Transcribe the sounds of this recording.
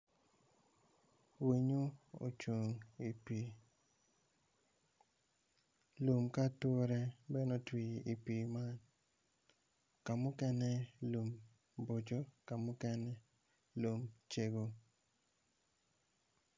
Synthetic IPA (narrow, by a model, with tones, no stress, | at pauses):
wi˨ɲu˦o̰˨t͡ʃo˨ŋi˨pi˨ | lu˨mka˦to˦ɾɛ˦bɛ˦nɔ˦twi˨i˨pi˨ma˦n | ka˨mʊ˦kɛ˦nɛ˦lu˨m | bo˨d͡ʒo˦ka˨mʊ˦kɛ˦nɛ˦ | lu˨mt͡ʃe˦ɡo˨